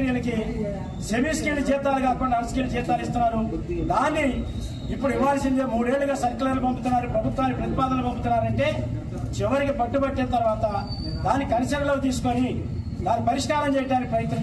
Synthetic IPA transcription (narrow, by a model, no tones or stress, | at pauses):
ɾjɐlɐki | semiːskiːld͡ʒɛːt̪aːlɐɡaːkuɳɖɐɐnskiːld͡ʒɛːt̪aːlist̪unːaːɾud̪aːnːi | ipːuɽuiʋːaːlɐsind̪eːmuːɽe̞ːɭlːuɡaːsɐɾklaːlupɐmbut̪unːaːɾupɾɐbʱut̪ʋaːnːipɾɐt̪ipaːd̪ɐlupɐmput̪unːaːɾɐɳʈe̞ː | t͡ʃiʋɐɾikibɐʈːubɐʈːinɐt̪ɐɾʋaːt̪ɐ | d̪aːnːikɐnisɐɾɐlo̞ːt̪iːsu̥koni | d̪aːnːipɐɾiʂkaːɾɐmt͡ʃɛːjɐʈaːnikipɾɐjt̪nɐ